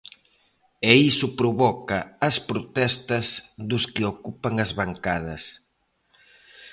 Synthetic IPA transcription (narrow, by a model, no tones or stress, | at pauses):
ɛisʊpɾoβɔkɐːspɾot̪ɛst̪ɐzðʊskɪokupɐŋɐzβaŋkaðɐs